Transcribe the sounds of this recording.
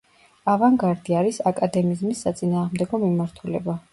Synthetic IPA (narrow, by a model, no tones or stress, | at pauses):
avaŋɡaɾd̪iaɾisakʼad̪ɛmizmisːat̪sʼinaːʁmd̪ɛɡɔmimaɾt̪ʰulɛ̰ba